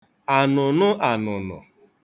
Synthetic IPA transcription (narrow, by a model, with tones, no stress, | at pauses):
a˨nʊ˨nʊ˦ʔa˨nʊ˨nʊ̰˨